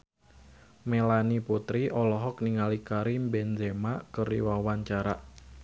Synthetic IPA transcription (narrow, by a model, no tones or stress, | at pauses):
melaniput̪ɾiʔɔlɔɦɔk̚niŋalikaɾimbɛnzemaʔkərdḭwawaɲt͡ʃaɾaʔ